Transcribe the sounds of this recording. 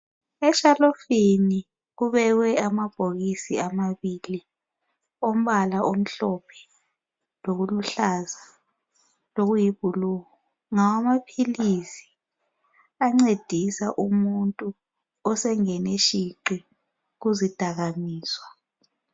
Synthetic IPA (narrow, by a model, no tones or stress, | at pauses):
ɛʃalofini | uɓɛɣ̬wɛamab̥ʱoɣisiamaɓiːli | om̩ɓalaʔom̩ɬɔpʰɛ̥ | lok̬uluɬaza | loɣ̬ujiɓʱuluːŋɔ | ŋawamapʰilisi̥ | aŋ͡ǀed̥ʱisaʔumuntʼu | ɔsɛŋɛneʃiǃi | k̬uzid̥ʱaɣ̬amiːswa